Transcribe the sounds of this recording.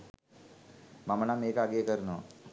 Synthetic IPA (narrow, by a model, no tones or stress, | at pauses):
mɐmɐnameːkaːɡekɐɾno